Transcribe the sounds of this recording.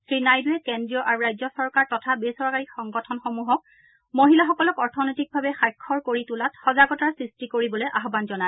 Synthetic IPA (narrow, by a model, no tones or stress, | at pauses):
sɹinajduɛkendɹijɔʔaɹuɹajzɔsɔɹkaɹtɔtʰabesɔɹkaɹikxɔŋɡɔtʰɔnxɔmuɦɔk̚ | moɦilaxɔkɔlɔkɔɹtʰɔnojtik̚bʱabɛxajkʰːɔɹkoɹitulatxɔzaɡɔtaɹsɹistikoɹibɔloʔaɦɔbanzɔnaɛ